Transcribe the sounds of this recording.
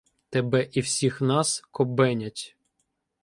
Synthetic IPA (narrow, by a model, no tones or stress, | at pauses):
t̪ebɛʔiwsʲixnɑskɔbɛnʲɐtʲ